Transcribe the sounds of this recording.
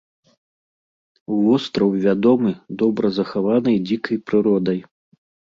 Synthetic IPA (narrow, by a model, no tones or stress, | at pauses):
uvɔst̪ɾɐwvʲad̪ɔmɨd̪ɔbɾɐzɐxavanɨjd͡zʲikɐjpɾɨɾɔd̪ɐj